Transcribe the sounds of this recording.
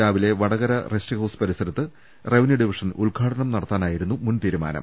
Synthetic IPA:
aːʋile̞ʋɐɽɐɣɐɾɐrestiɣɐwspɐɾisɐɾɐt̪ːɨ | reʋniɖiʋiʂɐnuɭɡʰʱaːʈɐɳɐmnɐɽɐt̪ːaːnaːjiɾunːumunt̪iːɾuma̰ːnɐ̰m

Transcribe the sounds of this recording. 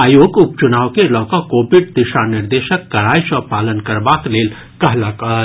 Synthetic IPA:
aːjoːɡʊp̚t͡ʃʊnaːwkelɔːkakoːbɪɖd̪ɪʃanɪɾd̪eːʃəkːɐɾaːjsəpaːlənkɐɾbaːkleːl | kɐɦlaka

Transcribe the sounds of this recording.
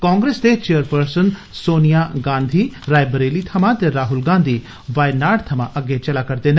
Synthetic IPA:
kãːŋɡɾeːsd̪et͡ʃeːəɾpəɾsənsoːnijaɡãːnd̪ʱiɾaːjbəɾeːlit̪ʰɐmãt̪eɾaːɦʊlɡãːnd̪ʱiː | ʋaːjnaːɖt̪ʰɐmãʔɐɡːet͡ʃɐlakɐɾt̪eːn

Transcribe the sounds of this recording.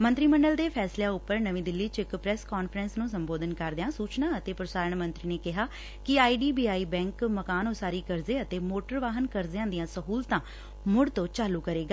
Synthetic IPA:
mə̃nt̪ɾiːməɳɖəld̪eːpʰɛːsljãːʊpːəɾnəʋĩːd̪ɪlːiːt͡ʃɪkpɾɛːskɔːnfʰəɾənsnũːsəmboːd̪ənkəɾd̪ejãːsuːt͡ʃnãːət̪eːpɾəsaːɾəɳmə̃nt̪ɾiːneːkɪɦaː | kɪaːiːɖiːbiːaːiːbɛ̃ːŋkməkaːnõːsaːɾiːkəɾzeːət̪eːmoːʈəɾʋaːɦənkəɾzejãːd̪ɪjãːsəɦuːlt̪ãː | mʊɽt̪õːt͡ʃaːluːkəɾeːɡaː

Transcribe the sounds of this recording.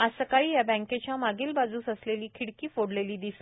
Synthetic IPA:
asəkaɭiːjabɛ̃ŋket͡ɕjamaɡilbad͡zuːsəsleliːkʰiɽkiːfoɽleliːd̪is

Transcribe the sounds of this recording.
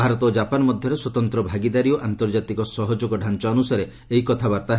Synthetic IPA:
aɾɔt̪ɔd͡ʒapanɔmɔd̪ʱjɔɾeswɔt̪ɔnt̪ɾɔbʱaɡid̪aɾiɔʔant̪ɔɾd͡ʒat̪ikɔsɔɦɔd͡ʒoɡɔɖʱant͡ʃɔːnusaɾe | eɦikɔt̪ʰabaɾt̪aɦ

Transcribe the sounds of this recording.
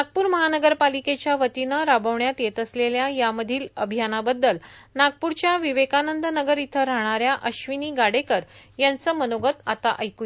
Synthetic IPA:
naɡ̚puːɾməɦanəɡəɾpaliket͡ɕjaʋət̪inəɾabəʋɳjat̪jet̪əsleljajaməd̪ʱiːləbʱijanabəd̪ːəlnaɡ̚puɾt͡ɕjaʋiʋekanənd̪nəɡəɾit̪ʰəɾaɽ̃aɾjaʔəɕʋiniːɡaɽekəɾjant͡səmənoɡət̪at̪a̰ʔəjkui

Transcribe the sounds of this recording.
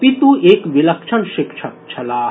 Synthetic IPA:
pit̪uʔeːkʋilɐkʃʰɐnʃikt͡ʃʰɐt͡ʃʰɐlaː

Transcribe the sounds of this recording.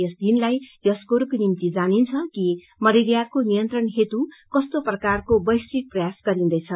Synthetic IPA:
ʌsd̪inlajjʌskoɾukonimt̪id͡zanint͡sʰʌki | mʌɾiɾjarkonijʌnt̪rʌnɦet̪ukʌst̪oprʌkarkobʌjstik̚prʌjasɡʌɾĩnd̪ʌjt͡sʰʌ

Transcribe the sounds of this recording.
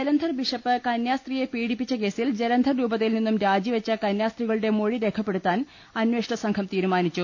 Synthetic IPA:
d͡ʑelɐnd̪ʱɐrbiʂɐpːɨkɐnjaːst̪rije̞piːɽipːit͡ɕːɐke̞ːsild͡ʑelɐnd̪ʱɐrɾuːbɐt̪ːilninːumɾaːd͡ʑiʋɐt͡ɕːɐkɐnjaːst̪riɣɐɭuɽe̞mo̞ɻiɾe̞kʰɐpːe̞ɽut̪ːaːn | ɐnwe̞ːʂɐɳɐsɐŋkʰɐmt̪iːɾumaːnit͡ɕːu

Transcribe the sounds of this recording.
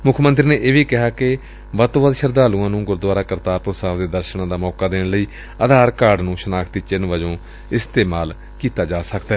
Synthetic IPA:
mʊkʰmənt̪ɾiːneːʔeːʋiːkɪɦaːkɪ | ʋət̪õːʋəd̪ʃəɾd̪aːlũːãːnũːɡʊɾd̪waːɾaːkəɾt̪aːɾposaːʋd̪eːd̪əɾʃəɳãːd̪aːmɔːkaːd̪eːɳləiː | əd̪ʱaːɾkaːɾɖnũːʃənaːkʰt̪iːt͡ʃɪnʋəd͡ʒõː | ɪst̪eːmaːl | kiːt̪aːd͡ʒaːsəkd̪aɛː

